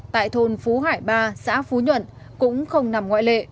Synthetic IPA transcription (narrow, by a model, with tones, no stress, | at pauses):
t̪a̰ː˧˨jt̪ʰo˨˩nfu˨˦ɦaː˧˩jɓaː˧sa̰ː˧˥fu˨˦ɲwə̰˧˨n | kʊ̰˧˥ŋ͡mxə˧wŋ͡mna˨˩mŋwa̰ː˧˨jlḛ˧˨